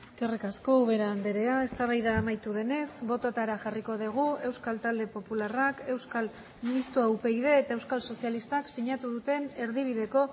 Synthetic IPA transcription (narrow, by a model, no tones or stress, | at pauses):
kerikasko̞uβ̞e̞ɾaːnd̪eɾe̞ae̞st̪aβ̞ajðaːmajt̪uðe̞ne̞sbo̞t̪ot̪aɾaʝariko̞ð̞iɣ̞ue̞wskalt̪ald̪e̞po̞pularake̞wskal | minist̪ɾoawpe̞iðe̞ːt̪ae̞wskalso̞sialist̪aksiɲat̪uðut̪e̞ne̞ɾðiβ̞iðe̞ko̞